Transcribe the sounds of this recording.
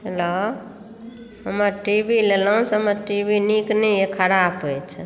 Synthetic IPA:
ɦelɔ | ɦəməɾʈibʱileləũseəməɾʈibiniknɛekʰəɾabɦojt͡ʃʰɛ

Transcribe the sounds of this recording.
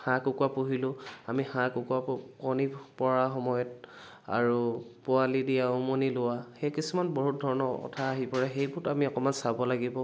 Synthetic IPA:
hãkʊkwapuɦilʊ̃amixãkʊkuapkɔnipɔɹaxɔmɔjɔt̚ | a̰ɹupʊalidijaʊmonilʊwaxejkisumanboɦut̚dʱɔɹɔnɔɔ̰tʰaːɦipɔɹɛxejbʊɹtamiɔkɔmansabɔlaɡibɔ

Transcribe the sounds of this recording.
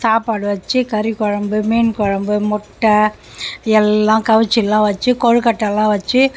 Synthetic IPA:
saːpaːɽɯʋɐt͡ʃːɯkɐɾikɔɻɐmbɯmiːnkɔɻɐmbɯmɔʈːɐ | ɛlːãːkɐʋɯt͡ʃːɪlːãːʋɐt͡ʃːɯkɔɻɯkɐʈːɐlːãːʋɐt͡ʃːɯ

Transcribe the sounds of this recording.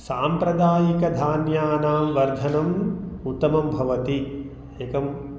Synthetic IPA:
saːmpɾɐd̪aːjikɐd̪ʱaːnjaːnaːmʋɐɾd͡ʒʱɐnɐmut̪ːɐmɐmbʱɐʋɐt̪i | eːkɐm

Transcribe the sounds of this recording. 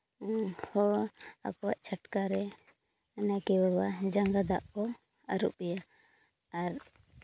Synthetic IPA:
hɔɭa̰kɔwaʔt͡ʃʰaʈkaɾɛ | nakɛbabad͡ʒaŋɡad̪aʔkɔ | aɾṵp̚ɛjaː | ɾ

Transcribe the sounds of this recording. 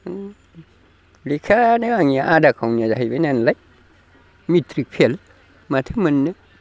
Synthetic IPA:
likʰaneaŋjaʔadakʰawnad͡ʒaɦibenanlaj | mit̪ɾik̚pʰel | mat̪ʰɨmənːə

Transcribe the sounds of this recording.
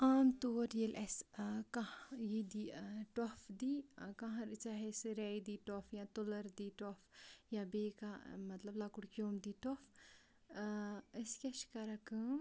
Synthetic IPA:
aːmt̪oːɾjelʔɛskajid̪iʈɔfd̪ikɐ̃ɦɐ̃ɾɨt͡ʃaɦesɨɾɛjd̪iʈɔfjãt̪olɐɾd̪iʈɔfjãbeːkamɐt̪lɐblakuɽkjoːmd̪iʈɔf | ɐskʲɐʃkɐɾɐkɨ

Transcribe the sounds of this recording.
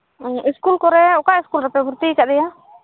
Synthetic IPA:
iskulkɔɾɛʊkaɪskulɾapɛbʱuɾt̪ikaʔd̪ɛja

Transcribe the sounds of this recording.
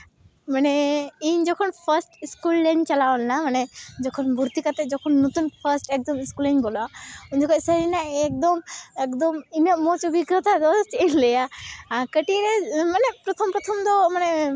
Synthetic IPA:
manɛiɲd͡ʒɔkʰɔnpʰəɾsʈiskulːɛɲt͡ʃalawɔlnamanɛd͡ʒɔkʰɔnbʱuɾt̪ikat̪ɛd͡ʒɔkʰɔnːut̪unpʰəɾsʈɛk̚d̪ɔmiskulɛɲbɔlɔauɲd͡ʒɔkʰɔcsəɾinaʔɛk̚d̪ɔmɛkd̪ɔminəʔmɔt͡ʃubʱiɡɾɔt̪ad̪ɔst͡ʃəinlɛjakəʈiɾɛmanɛpɾɔt̪ʰɔmpɾɔt̪ʰɔmd̪ɔmanɛ

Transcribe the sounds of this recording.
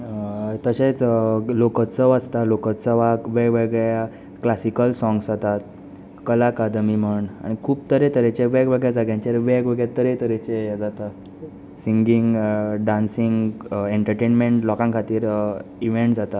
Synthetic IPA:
t̪əɕet͡slokət̪t͡səʋast̪alokət̪t͡səʋaʋeɡʋeɡja | klasikəlsɔ̃ŋɡsd͡zat̪at̪̚ | kəlakad̪miməɳa̰ɽ̃ikʰuːb̚t̪əɾet̪əɾet͡ɕeʋeɡʋeɡɭjad͡zaɡjãɲt͡ɕaɾʋeɡʋeɡɭjat̪əɾet̪əɾet͡ɕead͡zat̪a | siŋɡiŋɡɖãnsiŋɡeɳʈəɾʈenmeɳʈlɔkãŋkʰat̪iːɾiʋeɳʈd͡zat̪a

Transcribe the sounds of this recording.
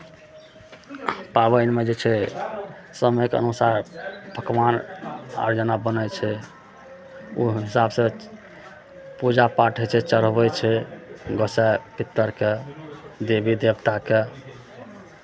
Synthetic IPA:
pabənmed͡ʒet͡ʃʰɛ | səmekə̰nusaɾbʱəkmana̰ɾd͡ʒənabənəjt͡ʃʰɛ | ṵɦɦisabsə̃ | pud͡ʒapaʈʰɦet͡ʃʰɛt͡ʃəɾəbɛt͡ʃʰɛɡəsɛpit̪ːəɾked̪ebʱid̪ebt̪ake

